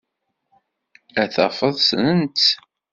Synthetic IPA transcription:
æθɑ̰fəðˤsənənt̪

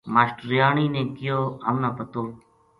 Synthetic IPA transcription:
maːsʈɾjaːɳiːnẽːkɪjoːɦəmnaːpət̪oː

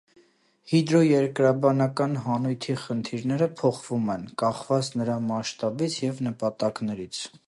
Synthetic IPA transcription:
hid̪ɾɔjɛɾkɾɑbɑnɑkɑnɦɑnujt̪ʰiχənt̪ʰiɾnɛɾəpʰɔχvumɛnkɑχvɑt͡snəɾɑmɑʃt̪ɑbit͡sʰjɛvnəpɑt̪ɑknɛɾit͡sʰ

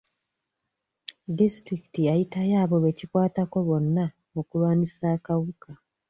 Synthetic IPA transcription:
distɾikitiajitajaːβo̞βe̞cikwaːtako̞βo̞nːa | okulwaːnisaːkawuka

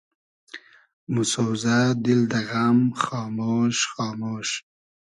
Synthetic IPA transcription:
mʊsowzad̪ɪld̪aɣamxɑːmoːʃχɑːmoːʃ

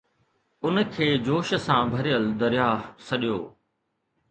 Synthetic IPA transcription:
ʊnkʰeːd͡ʑoːʃsãːbʱɐɾijəld̪ɐɾjaːsɐɗijoː

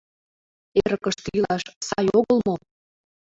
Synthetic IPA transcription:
eɾəkəʃt̪ilɑʃsɑjoɣəlmo

